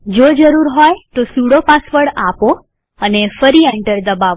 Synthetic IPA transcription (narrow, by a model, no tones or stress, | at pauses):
d͡ʒod͡ʒəɾuɾɦɔjt̪osuɽopasʋəɭapo | ənefəɾiɛɳʈəɾd̪əbaʋo